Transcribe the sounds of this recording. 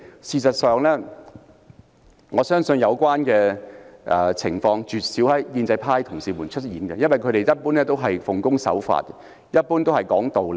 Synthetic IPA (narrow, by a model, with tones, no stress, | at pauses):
siː˨˧sɐ˨t̚sœː˨ŋlɛː˥ | ŋɔː˨˧sœː˥ŋsɵ˧njɐ˨˧wkʷwaː˥nkɛː˧ʔɛː˨t͡sʰɪ̰˨˩ŋfɔː˧ŋt͡ʃyː˨t̚siː˨˥whɐ˨˥jːiː˧nt͡sɐ˧jpʰaː˥jt̪ʰʊ˨˩ŋsiː˨˧muː˨˩nt͡ʃʰɵ˥t̚jiː˨˥nɡɛ˧jɐ˥nwɐ˨˩jkʰɵ˨˧˥ɾe˨jjɐ˥t̚puː˥nlɛː˥t̪o˥wɦɐ˨jfʊ˨˩ŋkʊ˥ŋsɐ̰˨˥wfa̰ː˧t̚kɛ˧ | jɐ˥t̚puː˥nt̪whɐ˨˩jkɔː˨˥ŋt̪o˨wl